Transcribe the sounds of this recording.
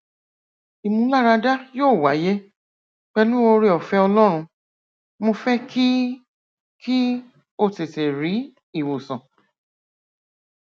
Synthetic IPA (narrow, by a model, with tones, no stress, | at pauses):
i˨mũ˧˦la˦ɾa˧da˦joː˦˨wa˨˦je˦ | k͡pɛ˧lu˦o˧ɾe˧ɔ˨fɛ˧˦ɔ˧lɔ˦ɾ̃ũ˧ | mo˧fɛ˦kʰi˦ | ki˦ | o˦te˨te˨ɾi˨˦ | i˦˨wo˨sã˨